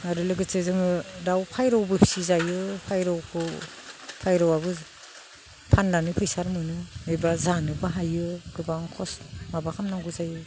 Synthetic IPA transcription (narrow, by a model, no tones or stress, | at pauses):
aɾɯlɯɡɯt͡ʃɯzɯŋɯdawpʰajɾɔwbɯpʰsizajɯpʰajɾɔwkʰɯ | pʰajɾɔwaβɯ | pʰanlanɯpʰɯjsaɾmɯnɯɯjbazanɯbaɦajɯɡ̥ɯbaŋkʰɔsmabakʰamnaŋɡɯzajɯ